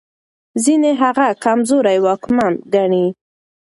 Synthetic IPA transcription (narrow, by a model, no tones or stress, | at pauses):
zineɦaɣakamzoɾajwɑkmamɡaɳi